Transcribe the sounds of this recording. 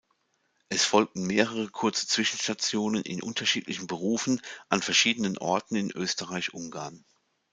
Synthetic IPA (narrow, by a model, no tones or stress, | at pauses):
ʔɛsfɔlk̚tn̩meːʁəʁəkʰʊɐt͡sə̥t͡sv̥ɪʃn̩ʃtat͡sjoːnənɪ̰nʔʊ̰ntʰɐʃiːtlɪçn̩bəʁuːfn̩ʔanfɛɐʃiːdənənʔɔ̰ɐtn̩ɪnʔøːstəʁaɪçʔʊŋɡaɐn